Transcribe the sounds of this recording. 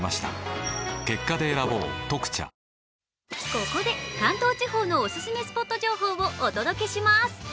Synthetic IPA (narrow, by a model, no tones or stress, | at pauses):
ma̰ɕi̥t̪a | ke̞kːad̪e̞ːɾabo̞̰ːt̪o̞kɯ̟̥t͡ɕa̰ | ko̞ko̞d̪e̞kãnt̪o̞ːt͡ɕiho̞ːno̞osɨsɨme̞sɨ̥po̞t̪ːoʑo̞ːɦo̞ːβoʔːd̪o̞d̪o̞ke̞ɕimasɨ̥